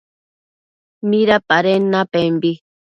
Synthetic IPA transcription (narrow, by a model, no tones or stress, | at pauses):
miɾapaɾenːapembi